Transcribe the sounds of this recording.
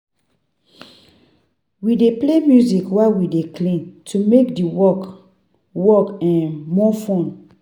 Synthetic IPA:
wideplemjuzikwawideklĩntʰumekdiwɔk | wɔkɛ̃nmɔfɔ̃n

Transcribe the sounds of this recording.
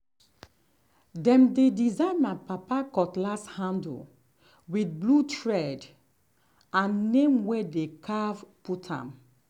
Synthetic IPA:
dɛ̃mdedizãɪnmapapakɔtlashãnd̰ | wiθ̚blutʰɹɛd | ãnːẽmwɛdekʰavputʰã̰m

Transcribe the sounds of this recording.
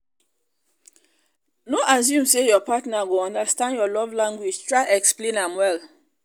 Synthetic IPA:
noʔas̬jũmsejɔpatnaɡoɔ̃ndastãndjɔlɔvlãŋɡwid͡ʒtʰɹaɪɛksplẽnãmwɛl

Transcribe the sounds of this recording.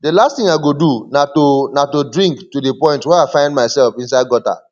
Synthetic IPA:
dəlasttĩŋaɡodunatonatodɹĩŋktudipɔ̃ɪ̃ntwɛaɪfãɪ̃ndmaɪsɛlfĩnsaɪd̚ɡɔta̰

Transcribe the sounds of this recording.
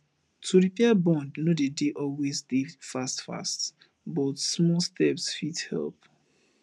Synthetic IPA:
tʰuɹipɛabɔ̃ndnodedeʔɔlwezdefastfa̰st | bɔtsmɔlstʰɛpsfithɛ̰lp

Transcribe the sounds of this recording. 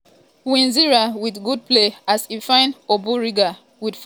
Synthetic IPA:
wĩnziɹawidɡud̚pleasifãɪ̃nobuɹiɡa | widf

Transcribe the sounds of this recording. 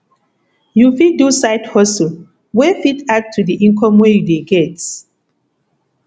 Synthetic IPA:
jufidusaɪthɔsu | wɛfitak̚tʰːudiʔĩŋkʰɔ̃mwɛjudeɡɛt

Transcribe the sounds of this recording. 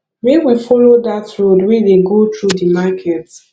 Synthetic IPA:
mewifɔlodatɹodwɛdeɡotɹudimakʰɛt

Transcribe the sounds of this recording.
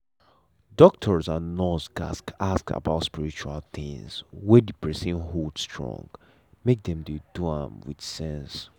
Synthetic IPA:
dɔk̚tʰɔɹzãnːɔsɡa̰skʰaska̰baʊtspiɹit͡ʃualθĩŋzwɛdipɹɛsĩnɦɔdstʰɹɔ̰̃ŋɡ | mek̚dɛ̃mduduãmwḭd̥sɛ̃ns

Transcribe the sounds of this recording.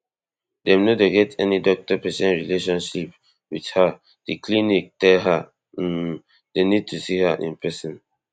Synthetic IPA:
dɛ̃mnodeɡɛtɛnidɔk̚tɔpɛsɛ̃nɹileʃɔ̃nʃip | widha | d̥iklinik̚tɛlɦa | denid̚tʰusihaʔḭ̃npɹɛsɔ̃n

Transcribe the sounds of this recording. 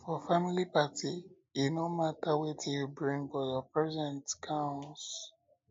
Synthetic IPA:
fɔfamilipati | inomatawetʰijubɹĩŋfɔjɔpɹɛzɛ̃ntkʰãʊ̃ns

